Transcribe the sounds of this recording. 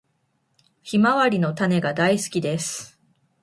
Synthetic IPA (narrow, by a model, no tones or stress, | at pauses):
çimaβaɾʲino̞t̪ane̞ɡad̪aisɨ̥kʲid̪e̞sɨ̥